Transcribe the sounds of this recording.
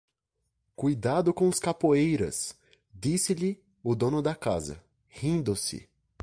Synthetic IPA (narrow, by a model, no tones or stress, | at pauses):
kujd̪ad̪ʊkõʊskapoejɾɐ̰s | d͡ʒ̪isɪʎɪ | ʊd̪õnʊd̪ɐkazɐ̰ | hĩnd̪ʊsɪ̰